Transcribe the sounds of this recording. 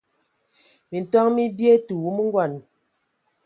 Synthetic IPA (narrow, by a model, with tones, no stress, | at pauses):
mi˨n̩˨tɔ˦ŋmi˦bje˦tu˨wu˦mi˦ŋ˦ɡwɔ˨n